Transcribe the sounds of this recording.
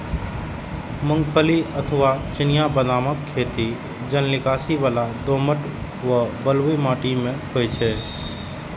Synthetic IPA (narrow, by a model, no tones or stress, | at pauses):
mə̃ŋɡpʰəliət̪ʰəʋat͡ʃɪnɪjabənaːməkʰːeːt̪i | d͡ʒənlɪkaːsiʋaːlad̪oːməʈ | ʋəbəlʋimaːʈimẽɦojt͡ʃʰɛ